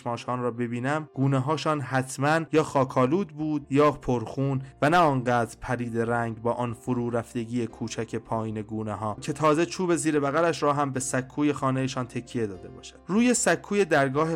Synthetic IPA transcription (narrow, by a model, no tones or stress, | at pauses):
mɒːʃhɒːnrɒːbe̞biːnæmɡ̥uːneɦɒːʃɒːnɦæt̪ʰmænjɒːxɒːkʰɒːluːd̪buːd̪jɒːpʰoɾxuːnvænæɒːnɢæːd̪ɾpʰæɾiːd̪e̞ɾæŋɟbɒːʔɒːnfoɾuːɾæfd̪e̞ɡiːjekʰuːt͡ʃʰæcʰe̞pʰɒːjiːne̞ɡuːneɦɒːcʰe̞t̪ʰɒːzet͡ʃʰuːbe̞ziːɾe̞bæɣælæʃɾɒːɦæmbe̞sækʰːuːje̞xɒːnejeʃɒːnt̪ʰe̞cʰːije̞d̪ɒːd̪e̞bɒ̰ːʃæ̥d̥̪ruːje̞sækʰːuːje̞d̪æɾɡɒːhe